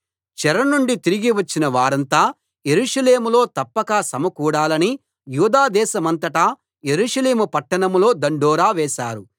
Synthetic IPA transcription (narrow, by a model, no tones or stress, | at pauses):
t͡ʃɛɾɐnuɳɖit̪iɾiɡiʋɐt͡ʃːinɐʋaːɾɐnt̪aː | je̞ɾuːʂɐle̞ːmulo̞ːt̪ɐpːɐkaːsɐmɐkuːɽaːlɐni | juːd̪aːd̪ɛːʃɐmɐnt̪ɐʈaː | je̞ɾuːʂɐle̞ːmupɐʈːɐɳɐmlo̞ːd̪ɐɳɖɔːɾaːʋɛːʃa̰ːɾu